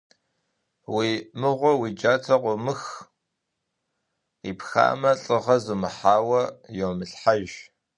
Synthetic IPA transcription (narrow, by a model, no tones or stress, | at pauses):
wiːmɨʁʷɔwid͡ʒaːtʰɐqʷɔmɨx | iːpxa̰ːmɐɬʼɨʁɐzumɨħaːwɐjoːmɨɬħaʒ